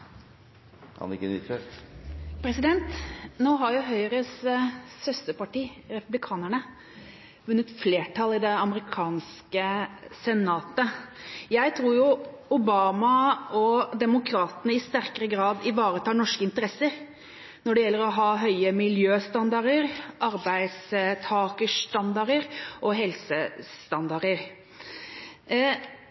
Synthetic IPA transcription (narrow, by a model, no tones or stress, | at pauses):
ɑ̰nɪ̰kːəny̰fø | pʰɾɛsɪd̪ɛnt̪noːɦɑɾjʊɦœʏɾəssœst̪əpɑʈiːɾɛpʉblɪkʰɑːnəɳə | ʋʉnːət̪fleːʈʰɑlɪd̪ɛɑməɾɪkʰɑːnskəsɛnɑːt̪əjæɪt̪ʰɾuːɾjʊʊbɑːmɑɔd̪ɛmʊkʰɾɑːt̪ənəɪst̪æɾkəɾəɡɾɑːd̪ɪʋɑːɾət̪ʰɑːnɔʂkəɪnt̪əɾɛsːəɾ | nɔɖɛjɛlːəɾɔɦɑːɦœʏəmɪljøːst̪ɑnd̪ɑɾəɾʔɑɾbæɪd̪st̪ʰɑːkəst̪ɑnd̪ɑɾəɾʔɔɦɛlsəst̪ɑnd̪ɑɾəɾ